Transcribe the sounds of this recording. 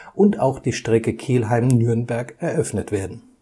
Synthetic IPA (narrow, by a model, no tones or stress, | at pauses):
ʔʊntaʊxd̥iːʃtʁ̥ɛkəkʰeːlɦaɪmnyɐnbɛɐkɛɐʔœfnətv̥eːɐdn̩